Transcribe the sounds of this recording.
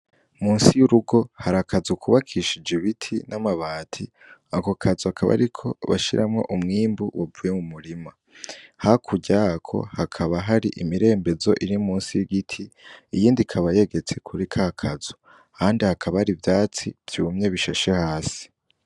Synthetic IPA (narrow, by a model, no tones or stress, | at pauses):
muːnsijuɾuɡo̞haɾakʰazukʰuβakʰiʃid͡ʒeβitʰinamaβaːtʰi | akokʰazohakʰaβa̰ɾikʰo̞βa̰ʃiɾʔamŋo̞̰ʔumŋiːmbuwavujemumuɾima | hakʰuɟakʰo̞̰hakʰaβaɦaɾiʔimiɾe̞ːmbezo̞ʔiɾimuːnsijiɡitʰiijiːndikʰaβaje̞ɡe̞t͡se̞kʰuɾikʰakʰazo̥ | kʰaːndihakʰaβaɾivjaːt͡sḭv̥juumɲe̞βiʃaʃehaːsi̥